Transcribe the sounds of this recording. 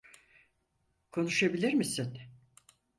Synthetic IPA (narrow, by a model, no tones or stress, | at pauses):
kʰo̞nuʃabilʲiɾmisin